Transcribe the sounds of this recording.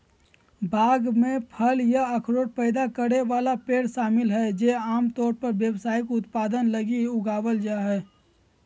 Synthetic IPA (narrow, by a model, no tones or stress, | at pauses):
bʱaːɡmẽpʰəljaɐkʰɾoːɽpɛːɪd̪akəɾeʋaːlapeːɽʃaːmɪlɦɛd͡ʒeaːmt̪ɔːɾpəɾʋjəwsaːikʊt̪paːd̪ənləɡiʊɡaːʋəld͡ʒaːɦɛː